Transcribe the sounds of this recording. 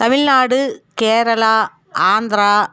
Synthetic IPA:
t̪ɐmilnaːɽɨkeːɾɐlɐ | aːnd̪ra

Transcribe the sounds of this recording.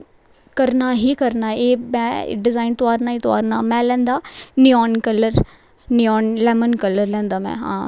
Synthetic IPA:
kəɾnaːɦiːkəɾnaːeːmɛ̰̃ːɖɪzaːint̪ʊaːɾnaːiːt̪ʊa̰ːɾnaːmɛ̃ːlɛ̃ːnd̪aːnɪjɔːnkələɾ | nɪɔːnlɛːmənkələɾlɛ̃ːnd̪aːmɛ̰̃ːɦã̰ː

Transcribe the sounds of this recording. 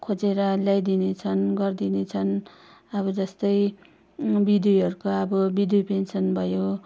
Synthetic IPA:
kʰod͡zeɾʌljajd̪inet͡sʰʌnɡʌrd̪inet͡sʰʌn | ʌβʌd͡zʌst̪ʌj | bid̪wiʌɾukoʌbʌbid̪wipensʌnbʱʌjo

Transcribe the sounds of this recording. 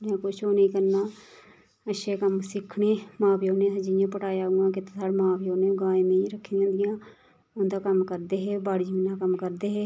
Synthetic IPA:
mɛ̃ːkʊt͡ʃʰoːnəĩːkəɾnaː | əʃeːkəmsɪkʰɳeːmãːpjoːnẽːsəd͡ʒijãːpəʈaːeaːuɡãːkɪt̪ːesaːɽmãːpʰjoːneːoɡaːmẽːɾəkʰːeãnd̪ɪjãː | ʊnd̪aːkəmkəɾd̪eːɦeːbaːɽid͡ʒmiːnaːkəmkəɾd̪eːɦeː

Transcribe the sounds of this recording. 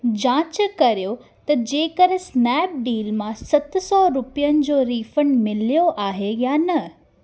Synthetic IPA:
d͡ʑãːt͡ɕkɐɾijo | t̪ɐd͡ʑeːkɐɾesnɛːp̚ɖiːlmãsɐt̪sɔːɾʊpijənɪ̆d͡ʑoːɾiːfəɳɖmɪlijoʔaːɦejanɐ

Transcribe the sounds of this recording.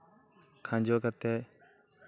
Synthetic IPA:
kʰãːd͡ʒoːkət̪eː

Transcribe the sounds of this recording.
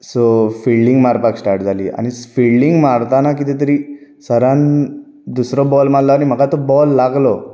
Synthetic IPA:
sofiɭɖiŋɡmaɾpaksʈaɾʈd͡zʱalḭːa̰ñisfiɭɖiŋɡmaɾt̪anakit̪it̪̬əɾisəɾãn | d̪usɾɔbɔlmallɔanim̤əɡat̪ɔbɔlːaɡlɔ

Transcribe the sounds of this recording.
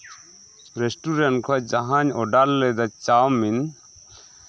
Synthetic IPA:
ɾesʈuɾɛɳʈkʰɔd͡ʒaɦãɲɔɖalːɛd̪at͡ʃamːin

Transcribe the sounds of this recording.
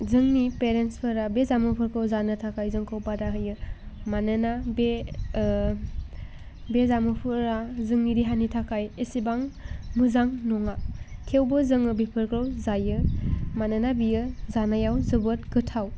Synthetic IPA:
zɯŋnipeɾenspʰɯɾabezamɯpʰɯɾkʰɾawzanɯtʰakʰajzɯŋkʰɯwpadaɦɯjɯmanɯnabe | bezamɯpʰɯɾazɯŋniɾiɦanitʰakʰajesibaŋmɯzaŋnɔŋakʰewbɯzɯŋɯbipʰɯɾkɾawzajɯmanɯnabiɯzanajawzɯbɯt̚ɡɯtʰaw

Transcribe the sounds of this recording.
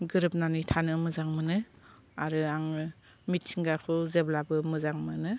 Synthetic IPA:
ɡɯɾɯp̚nanitʰanɯmɯzaŋmɯnɯ | aɾɯaŋɯ | mit̚sʰiŋɡakʰɯzeblabɯmɯzaŋmɯnɯ

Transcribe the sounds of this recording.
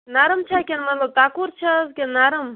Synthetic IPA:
naɾɐmt͡ʃʰɐkʲenmɐt̪ləb̚t̪aːkuɾt͡ʃʰɐzkennaːɾəm

